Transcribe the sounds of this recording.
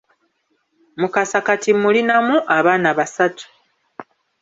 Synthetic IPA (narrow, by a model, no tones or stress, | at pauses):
mukasakatimulinamuʔaβaːnaβasatu̥